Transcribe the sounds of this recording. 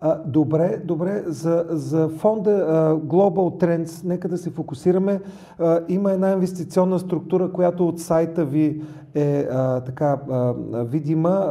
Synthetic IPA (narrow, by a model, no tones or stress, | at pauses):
d̪obɾɛd̪obɾɛzɐzɐfɔnd̪əɡlˠobəlt̪ːɾɛnt̪snɛkəd̪ɐsɛfokʊsiɾəmɛ | iməɛd̪nainvɛst̪it̪siɔnːəst̪ɾʊk̚t̪uɾəkojat̪oːt̪sajt̪əvi | ɛət̪ɐka | vid̪imə